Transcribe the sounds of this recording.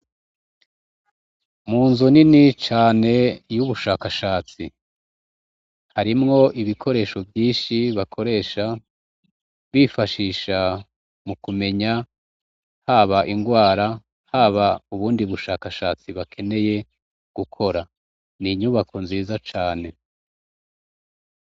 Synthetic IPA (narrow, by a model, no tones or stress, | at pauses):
muːnzuninit͡ʃaːne̞juβuʃaːkaʃaːt͡si | haɾimŋo̞ʔiβikʰo̞ɾe̞ːʃo̞vjiːʃiβakʰo̞ɾe̞ːʃa | βifaʃiːʃa | mukume̞ɲa | haβaʔiŋɡwaːɾa | haβauβuːndiβuʃaːkaʃaːt͡siβakʰe̞ne̞je̞ | ɡ̥ukʰo̞ɾa | niɲuβakʰo̞nziːzat͡ʃaːne̞